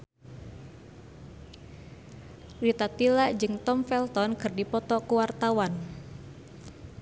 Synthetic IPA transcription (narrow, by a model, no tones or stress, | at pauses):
rit̪at̪ilaʔd͡ʒɨŋt̪ɔmfɛlt̪ɔnkɨrdipɔt̪ɔkuwart̪awan